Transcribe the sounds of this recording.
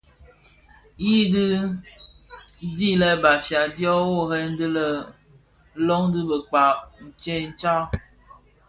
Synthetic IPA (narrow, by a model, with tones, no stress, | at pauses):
ji˦dɨ˦ | di˦lɛ˦ba˨fja˨djɔ˦wo˦˨hɛ˦n̩˦dɨ˦lə˨˦ | lɔ˦ŋdɨ˦bə˨k͡pa˨n̩˨t͡ʃe˦˨n̩˦t͡ʃa˦